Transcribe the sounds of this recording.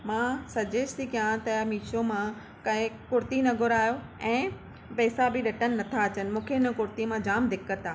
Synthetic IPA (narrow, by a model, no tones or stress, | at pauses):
mãːsɐd͡ʑeːʃt̪ikijãt̪ɐmiːt͡ɕʰomã | kɐɦɪkʊɾt̪inɐɡʱʊɾaːjo | ɛ̃ː | pɛːsabɪɗɐʈənɪ̆nɐt̪ʰaɐt͡ɕənɪ̆mũːkʰeɪn̆kʊɾt̪imãd͡ʑaːmd̪ʱɪkəɾt̪aː